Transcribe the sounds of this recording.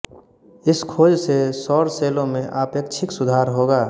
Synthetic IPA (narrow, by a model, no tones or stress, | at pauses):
ɪskʰoːd͡ʒsesɔːɾseːlõmẽʔaːpek̚t͡ʃʰɪksʊd̪ʱaːɾɦoːɡaː